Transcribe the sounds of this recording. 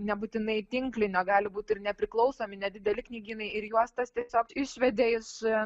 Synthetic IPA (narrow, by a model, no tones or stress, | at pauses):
nʲɛbut̪ʲɪnɐɪt̪ʲɪŋklʲɪnʲoːɡɑːlʲɪbuːt̪ʲɪrnʲɛpʲɾʲɪklˠɒʊsoːmʲɪnʲɛd̪ʲɪd̪ʲɛlʲɪknʲiːɡʲiːnɐɪɪɾjuɔst̪ɐst̪ʲiɛsʲoːkɪʃʲʋʲɛd̪ʲeːɪʃ